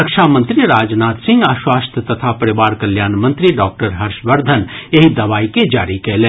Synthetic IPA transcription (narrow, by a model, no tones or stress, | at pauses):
əkʃaːmə̃nt̪ɾiɾaːd͡ʒnaːt̪sɪ̃ŋɡaːʃwaːst̪ʰət̪ɐt̪ʰapɐɾɪʋaːɾkɐljaːnmɐ̃nt̪ɾiɖɔːk̚ʈəɾɦɐɾʃʋɐɾd̪ʱənjeɦid̪ɐʋaːiked͡ʒaːɾikeleː